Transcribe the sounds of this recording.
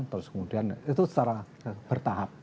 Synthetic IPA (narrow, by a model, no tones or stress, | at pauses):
nt̪əɾʊskəmud̥i̤anit̪usə̥t͡ʃaɾa | b̥ərt̪aɦap̚